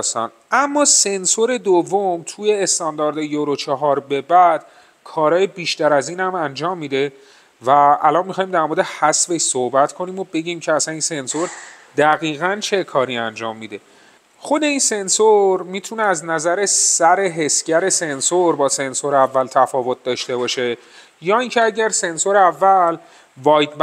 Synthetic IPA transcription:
st̪ɒ̰ːn | ʔæmːɒːse̞nsoɾe̞d̪ovːomt̪ʰuːje̞ːst̪ɒːnd̪ɒːɾd̪ejoɾot͡ʃʰɒɦɒːɾbe̞bæd̪̥ | kʰɒːɾɒːjebiːʃt̪æɾæziːnhæmænd͡ʒɒːmːiːd̪e̞ | væælɒːnmixɒːjimd̪æɾmoɾd̪ehæsveʃsohbæt̪ʰkʰo̞niːmo̞be̞ɟiːmcʰeæsæniːnse̞nsoɾ | d̪̥æɣiːɣænt͡ʃʰe̞kʰɒːɾiːænd͡ʒɒːmːiːd̪e̞ | xo̞d̪e̞iːnse̞nsoɾmiːt̪ʰuneæznæzæɾe̞sæɾe̞ɦe̞sɟæɾe̞se̞nsoɾbɒːse̞nsoɾeævːælt̪ʰæfɒːvo̞t̪̚ʰd̪ɒːʃt̪e̞bɒːʃe̞ | jɒːincʰeæɟæɾse̞nsoɾeævːæl | vɒːjd̪b

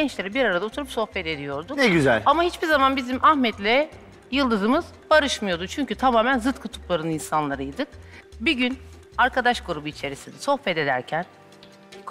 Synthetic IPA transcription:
ɟɛnt͡ʃlʲe̞ɾibiɾaɾad̪aot̪ʰuɾupso̞xpɛt̪e̞d̪ijo̞ɾd̪uknɛɟyzæ̰lʲamahit͡ʃbiɾzamanbizimʔahmɛt̪lʲɛ | jɯlˠd̪ɯzɯmɯz | baɾɯʃmɯjo̞d̪ut͡ʃʰyɲcyt̪ʰamaːmænzɯt̪kʰut̪ʰu̥plˠaɾɯninsanlˠaɾɯjd̪ɯk̚biɟyn | aɾkʰad̪aʃkuɾubuit͡ʃʰe̞ɾisind̪ɛso̞xpɛt̪e̞d̪æ̰ɾcʰæn | kʰ

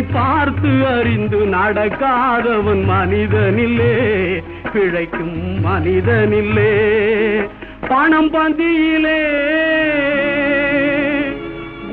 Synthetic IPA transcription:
paːɾt̪ɯɐɾɪnd̪ɯnɐɽɐkːaːðɐʋɐnmɐnɪðɐnɪlːe | pɪɻɐɪkːɯmːɐnɪðɐnɪlːe | pɐɳɐmpɐnd̪ɪjɪleː

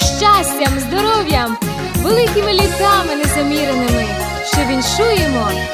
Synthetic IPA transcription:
ʃt͡ʃasʲtʲɐmzd̪ɔɾɔwjɐm | ʋelˠɪkʲɪmɪlʲik̪ɑmɪnezɐmʲiɾenɪmɪ | ʃt͡ʃɔʋʲinʃujemɔ

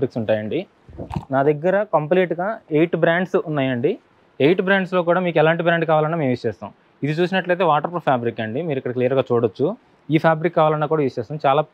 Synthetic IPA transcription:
bɾiksuɳʈaːjɐɳɖi | naːd̪ɐɡːɐɾɐkɐmpliːʈɡaːejʈbɾaːɳɖsunːaːjɐɳɖi | ejʈbɾaːɳɖsloːk̬uːɽaːmiːk̬ɛlaːɳʈibɾaːɳɖkaːʋaːlɐnːaːme̞ːmʋiʂɛːst̪a̰ːm | id̪it͡ʃuːs̬inɐʈlɐjt̪̬e̞ːʋaːʈɐɾpɾɐpʰjaːbɾikːɐɳɖimiːɾikːɐɽɐklijɐɾɡaːt͡ʃuːɽot͡ʃːu | iːpʰjaːbɾikːaːʋaːlɐnːaːkuːɽaːʋiʂɛːst̪aːmt͡ʃaːlaː

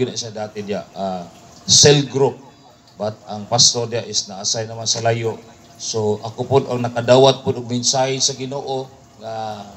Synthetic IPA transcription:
ʊnaisad̪aːt̪ɪd̪ɪaʔa | sɛlɡɾup̚ | bat̪̚aŋpast̪oɾd̪ɪjaʔɪsnaʔasajnɐmansalajoʔ | soʔakopʊd̪aŋnɐkad̪aːwat̪̚pʊd̪ʊɡbɪnsahɪsaɡɪnoʔo | ŋa

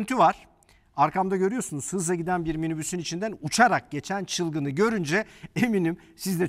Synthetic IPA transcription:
nt̪ʰyvaɾ̥ | aɾkʰamd̪aɟø̞ɾyjo̞sunuzhɯzaɟid̪ænbiɾminybysynit͡ʃʰind̪ænut͡ʃʰaɾak̚ɟ̥e̞t͡ʃʰænt͡ʃʰɯlˠɡɯnɯɟø̞ɾynd͡ʒɛeminim | sizd̪ɛ

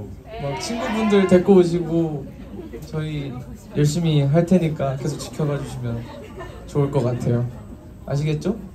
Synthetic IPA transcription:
mak̚t͡ɕʰinɡubundɯɾte̞k͈ʌoɕ̬ʰiɡo | t͡ɕʌi | jʌɭɕ̬͈imiɦaɭtʰe̞ɲik͈ake̞s̬ʰok̚t͡ɕ͈i̥kʰjʌɡad͡ʑuɕʰimjʌn | t͡ɕoːɭk͈ʌk͈atʰe̞jo | a̰ɕ̬ʰiɡe̞t̚t͡ɕ͈o

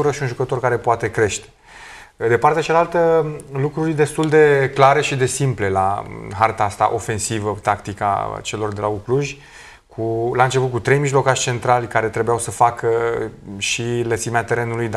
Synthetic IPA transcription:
uɾəʃiunʒukət̪o̞rkaɾe̞poat̪e̞kɾe̞ʃt̪e̥ | d̪e̞part̪eat͡ʃalalt̪əlukɾurʲd̪e̞st̪uld̪e̞klaɾe̞ʃid̪e̞simple̞la̰ɦart̪aast̪a̰ʔo̞fe̞nsivət̪akt̪ika̰t͡ʃe̞lo̞rd̪e̞laukluʒʲ | kʰulaɨnt͡ʃe̞put̪kut̪ɾe̞jmiʒlo̞kaʃt͡ʃe̞nt̪ɾalʲkaɾe̞t̪ɾebujawsəfakə | ʃilət̪simeat̪e̞ɾe̞nulujd̪

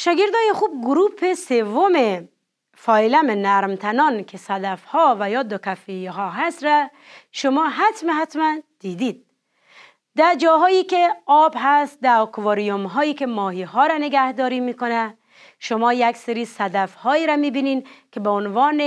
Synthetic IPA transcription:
ʃɒɡeɾd̪ɒːjexuːb̚ɡʊɾupʰesevːome | fɒilæmenæɾmt̪ʰænɒnkʰesæd̪afhɔvæjɒːd̪okafejiɦɔɦast̪ɾa | ʃomɔːɦat̪meɦat̪mænd̪̥id̪id̪̚ | d̪æɾd͡ʒɒɦɔːjikeɒbɦæst̪̚d̪æɔkvɔɾijomɦɔːjikemɔːɦiɦɔɾaneɡæhd̪ɒːɾimiːkonæ | ʃomɔːjækseɾisæd̪æfhɔːiɾamiːbininkʰebeonvɒːne

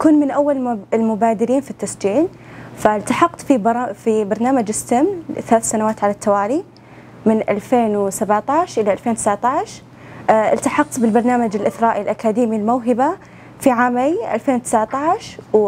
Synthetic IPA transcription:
kuːnmɪnʔawːalɪlmʊbaːd̪ɪɾiːnfit̪ːasd͡ʒiːl | falt̪aħɑqt̪ˤfibfibɑɾˤnaːmad͡ʒɪsːamnθalaːθsanawaːt̪ʕalat̪ʰːawaːli | mɪnʔalfeːnwsabaʕt̪aʕʃʔɪlaʔalfeːnwt̪ɪ̥saʕt̪aʕʃ | ʔɪ̰lt̪aħɑq̚t̪ˤbɪlbɑɾˤnaːmad͡ʒɪlʔɪθɾˤɑːʔilʔakaːd̪iːmilmawɦɪba | fiʕaːmajʔa̰lfeːnwt̪ɪ̥saʕt̪aʕʃ

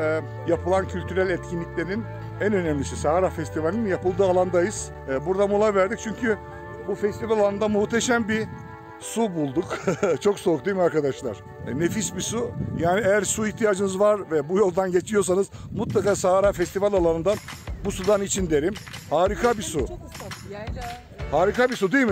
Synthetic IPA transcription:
ɛ | japɯlˠancʰylʲt̪ʰyɾælʲɛt̪cʰinlʲiclʲe̞ɾin | ænø̞nɛmlʲisisaaɾafɛst̪ʰivalʲinjapɯlˠd̪ɯːalˠand̪ajɯz̥ː | buɾd̪amulˠajvæɾd̪ic̚t͡ʃʰyɲcʰy | bufɛst̪ivalʲalˠanɯnd̪amuht̪ʰeʃæmbi | subulˠd̪ukt͡ʃʰo̞ksokd̪ujmaɾkad̪aʃlˠa̰ɾ̥ | nefisbisujaːniejæɾsuiçt̪ʰijaːd͡ʒɯnɯzvaɾvɛbujo̞lˠd̪anɟe̞t͡ʃʰijo̞s̬anɯzmut̪lˠakaːsaɦaɾaːfɛst̪ʰivalʲalˠanɯnd̪anbusud̪anit͡ʃʰind̪e̞ɾimhaːɾikʰabisu | haːɾikabisud̪ijm

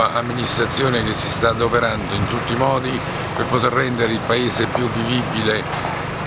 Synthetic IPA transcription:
aʔamːinist̪ɾat̪sːjoːnek̟esːist̪ad̪opeɾand̪oint̪ut̪ːimɔːd̪i | perpot̪erːɛnd̪eɾeilpaeːsepjuvivibːile

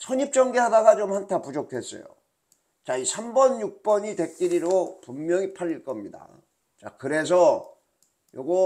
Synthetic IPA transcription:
sʰʌɲip̚t͡ɕ͈ʌŋɡeɦadaɡat͡ɕomhantʰapud͡ʑok̚tʰwe̞s͈ʌ̰jo̰ | t͡ɕaisʰambʌnjuk̚p͈ʌɲite̞k̚k͈iɾiɾopumːjʌŋipʰaʎːiɭk͈ʌmɲida̰ | t͡ɕa̰kɯɾe̞s̬ʰʌ | joɡʌ

